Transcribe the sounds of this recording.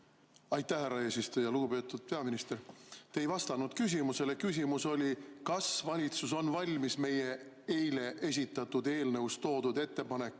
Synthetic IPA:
ɑjt̪ːˑæhæɾːɑe̞ːsist̪ujɑluɡ̥upe̞ːt̪ːˑud̪̥̚pe̞ɑminist̪eɾt̪ejvɑst̪ɑnud̪̥kys̬ʲimuse̞le̞kys̬ʲimuso̞lʲikɑsvɑlʲit̪sus̬o̞nvɑlʲmisme̞je̞ | e̞jle̞ʔe̞s̬ʲit̪ˑːɑt̪ːˑud̪̥e̞ːlnəwst̪o̞ːd̪̥ud̪e̞t̪ːe̞pɑne̞kːˑ

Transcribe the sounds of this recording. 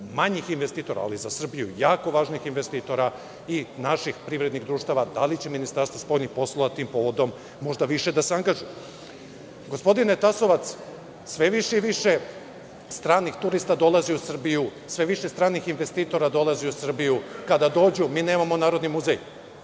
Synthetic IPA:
maɲixinʋest̪iːt̪o̞ɾa̰ːlizasr̩bijṵjaːko̞ʋaːʒnixinʋest̪iːt̪o̞ɾa | inaʃixpɾiʋɾe̞d̪niɣd̪ɾuːʃt̪aʋad̪alit͡ɕeminist̪aɾst̪ʋaspo̞jlnixpo̞slˠoʋat̪iːmpo̞ʋo̞d̪o̞mː | o̞ʒd̪aʋiʃe̞d̪aseaŋɡaʒuju | ɡo̞spo̞d̪inet̪aso̞ʋat̪s | sʋe̞ʋiʃeiʋiʃe̞ | st̪ɾaːnixt̪uɾist̪ad̪o̞lˠaziusr̩bijusʋe̞ʋiʃest̪ɾaːnixinʋe̞st̪iːt̪o̞ɾad̪o̞lˠaziusr̩bijukad̪ad̪o̞ːd͡ʑumiːne̞ːmamonaːɾo̞d̪nimuzej

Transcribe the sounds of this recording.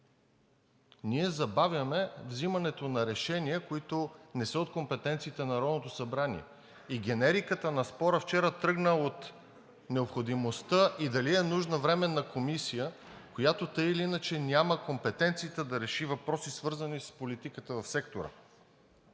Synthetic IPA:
niɛzɐbavjɐmɛvzimɐnɛt̪onɐɾɛʃɛniəkoit̪onɛsəot̪̚kompɛt̪ɛnt̪siːt̪ɛnɐɾɔd̪not̪osɐbɾanḭɛ̰ | iɡ̟ʲɛnɛɾikət̪ənɐspɔɾəft͡ʃɛɾət̪ɾɤɡnəot̪ | nɛopxod̪imost̪əʔid̪ɐliɛnuʒnəvɾɛmɛnɐkomisijəkojat̪ot̪ɤjiliinət͡ʃɛnʲaməkompɛt̪ɛnt̪siːt̪əd̪ɐɾɛʃivɐpɾɔsisvɤɾzənispolit̪ikət̪əvɐfsɛkt̪oɾə̰

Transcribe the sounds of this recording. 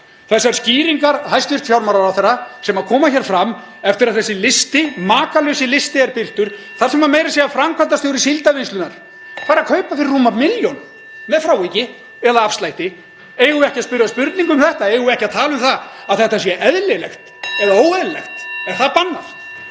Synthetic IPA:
θɛsːaɾ̥sciːɾiŋkaɾhajst̪vɪrt̪fjawɾmaɾaɾawθɛrːasɛmaðkʰɔːmaçɛːɾ̥fɾamː | ɛft̪ɪɾaðθɛsːɪlɪst̪ɪmaːkalœɥsɪlɪst̪ɪɛɾpɪl̥t̪ʏɾ̥ | θaɾ̥sɛmaɾmeːjɾasjɛafɾamkʰant̪ast̪joːwɾɪsilt̪avenst̪lʏnaɾ̥ | paːɾakʰœɥpafɪɾɪrːuːmamɪljɔn | mɛðfɾaːwicɪ | ɛðaafst̪lajht̪ɪ | eːjɣʏɛhcaspʏɾjaspʏɾt̪niŋkʏmθɛht̪aeːjɣʏɛhcaðt̪ʰaːlʏmθa | aðθɛht̪aɛsjɛʔɛðlɪlɛ̰xt̪ɛðaoːwɛðlɪlɛ̰xt̪ɛɾ̥θaðpanːaf

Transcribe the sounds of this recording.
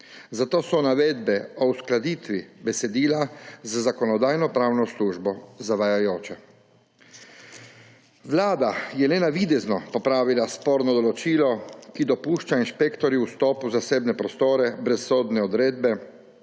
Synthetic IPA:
zat̪oːsɔnaʋeːd̪bɛɔwsklad̪iːt̪ʋibɛsɛd̪iːlazzakɔnɔd̪aːjnɔpɾaːwnɔsluːʒbɔzaʋajajoːt͡ʃɛ | ʋlaːd̪ajɛlenaʋiːd̪ɛznɔpɔpɾaːʋilaspoːɾnɔd̪ɔlɔt͡ʃiːlɔkid̪ɔpuːʃt͡ʃainʃpekt̪ɔɾiwst̪ɔːpuzaseːbnɛpɾɔst̪oːɾɛbɾɛsːoːd̪nɛɔd̪ɾeːd̪bɛ

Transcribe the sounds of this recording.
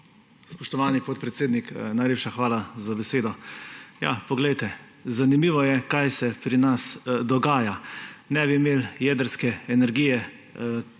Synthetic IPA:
spɔʃt̪ɔʋaːnipɔt̪̚pɾɛt̪seːd̪niknajleːpʃaxʋaːlazabɛseːd̪ɔja̰pɔɡlɛjt̪ɛ | zanimiːʋɔjɛkajsɛpɾinasd̪ɔɡaːjanɛbimeːljɛd̪əɾskɛɛnɛɾɡiːjɛ

